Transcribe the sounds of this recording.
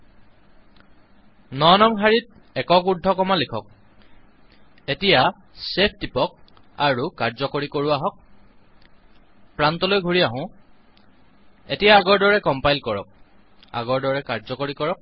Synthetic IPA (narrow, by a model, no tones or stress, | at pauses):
nɔnɔŋɦaɹit̚ | ɛkɔk̬udʱːɔkɔmalikʰɔk̚ | etija | sepʰdipɔk̚ | aɹukaɹzɔkoɹikoɹuaɦɔk̚ | pɹantɔlojɡʱuɹiaɦʊ̃ | etijaːɡɔɹdɔɹɛkɔmpajlkɔɹɔ̰k̚ | a̰ɡɔɹdɔɹɛkaɹzɔkoɹikɔɹɔk̚